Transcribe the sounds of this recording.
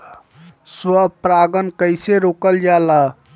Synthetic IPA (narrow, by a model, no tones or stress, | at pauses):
swəpɾaɡənkəɪseɾokəld͡ʒala